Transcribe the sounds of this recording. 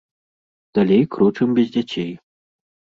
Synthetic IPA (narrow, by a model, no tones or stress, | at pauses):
d̪̥alʲejkɾɔt͡ʂɨmbʲɛzʲd͡zʲat͡sʲʰej